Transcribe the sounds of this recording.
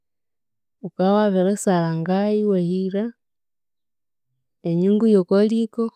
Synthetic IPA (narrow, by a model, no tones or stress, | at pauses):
ukawaβeɾesalaŋɡajiwehiɾa | eɲiŋɡujokoliko